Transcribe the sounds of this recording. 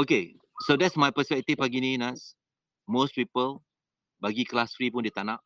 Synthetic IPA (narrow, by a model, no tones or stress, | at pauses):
oke | sodɛtsmajpəspɛk̚t̪ifpaɡinĩnas | mospipəl | baɡiklasfɹipũndit̪anãʔ